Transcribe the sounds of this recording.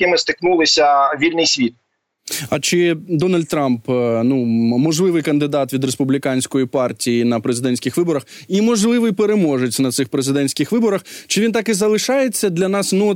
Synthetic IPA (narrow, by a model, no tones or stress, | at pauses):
kɪmɪst̪ɪknulˠɪsʲɐʋʲilʲnɪjsʲʋʲit̪̚ | ɐt͡ʃɪd̪ɔnɐlʲd̪̚t̪ɾɑmpnumɔʒlˠɪʋɪjkɐnd̪ɪd̪ɑt̪ʋʲid̪ɾespublʲikɑnʲsʲkɔjipɑrtʲijinɐpɾezɪd̪ɛnʲsʲkʲɪxʋɪbɔɾɐximɔʒlˠɪʋɪjpeɾemɔʒet͡sʲnɐt̪sɪxpɾezɪd̪ɛnʲsʲkʲɪxʋɪbɔɾɐxt͡ʃɪʋʲint̪ɑkɪzɐlˠɪʃɑjet͡sʲːɐd̪lʲɐnɑsnu